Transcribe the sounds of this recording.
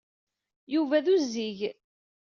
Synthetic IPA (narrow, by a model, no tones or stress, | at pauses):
juvæðuzːiʝ